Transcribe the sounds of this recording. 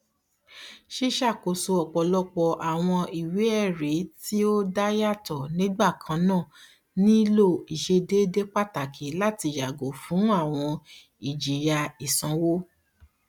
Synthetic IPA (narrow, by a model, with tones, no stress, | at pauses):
ʃi˦ʃa˦˨ko˨so˧ɔ˨k͡pɔ˧lɔ˦k͡pɔ˧ʔa˨w̃ɔ̃˧i˨wi˨˦ɛ˦˨ɾe˨˦ti˦o˦da˦ja˦˨tɔ˨nĩ˨˦ɡ͡ba˦˨kʰã˨˦nãː˦˨ | nĩ˦lo˦˨i˨ʃe˧de˦de˦k͡pa˦ta˨kʰi˨˦la˦ti˧ja˨ɡo˨˦fũ˨˦a˦˨w̃ɔ̃˧ | i˨d͡ʒi˨ja˧i˨sã˨˧wo˦